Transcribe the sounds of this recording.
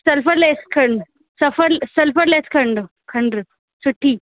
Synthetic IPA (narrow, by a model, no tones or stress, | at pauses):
səlfəɾleskʰəɳɖ | səfʰəɾsɐlfəɾleskʰəɳɖ | kʰəɳɖɾɨ | suʈʰːiː